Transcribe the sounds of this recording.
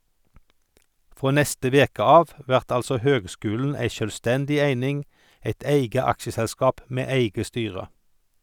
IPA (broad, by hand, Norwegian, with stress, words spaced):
ˈfʁoː ˈnɛstə ˈʋeːkə ˈɑːʋ ˈʋæʁt ˈɑlsɔ ˈhøːɡˌskʉːln̩ ˈæɪ ˌʃœlˈstɛndɪ ˈæɪnɪŋ ˈæɪt ˈæɪɡə ˈɑkʃəsɛlˌskɑːp ˈmeː ˈæɪɡə ˈstyːʁə